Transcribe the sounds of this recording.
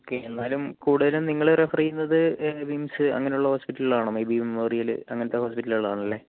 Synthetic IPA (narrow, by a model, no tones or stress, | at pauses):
oːkːeenːaːlumkuːɽuðɐlumniŋːɐɭrefɐrijːunːɐðɨbimsɨɐ̰ŋːɐnejuɭːɐhoːspiʈːɐlɭaːɳɐmebimmoːrijɐlɨ̰ɐŋːɐnɐt̪ːeɦoːspiʈːɐliɭa̰ːɳɐlːe̞ː